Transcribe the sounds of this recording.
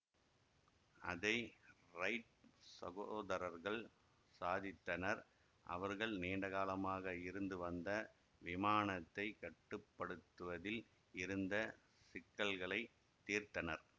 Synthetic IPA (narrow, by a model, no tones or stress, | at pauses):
ʔɐ̰ðɐɪɾɐɪʈ̚sɐ̰ɣooːðɐɾɐɾɣɐɭ | saːðɪt̪ːɐnɐɾ | ʔɐ̰ʋɐɾɣɐɭneːɳɖɐɣaːlɐmaːɣɐɪɾɯnd̪ɯʋɐnd̪ɐ | ʋɪmaːnɐt̪ːɐɪkɐʈːɯpːɐɽɯt̪ːɯʋɐðɪl | ɪɾɯnd̪ɐ | sɪkːɐlɣɐɭɐɪ | t̪ːiːɾt̪ɐnɐɾ